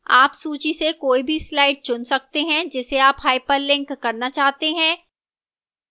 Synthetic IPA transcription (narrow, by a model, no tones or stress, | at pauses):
aːpsuːt͡ʃisekoːibʱislaːɪɖ̚t͡ʃʊnsɐk̚t̪eɦɛ̃d͡ʒɛseaːpɦaːɪpəɾlɪ̃ŋkːɐɾnat͡ʃaːɦt̪eɦɛ̃ː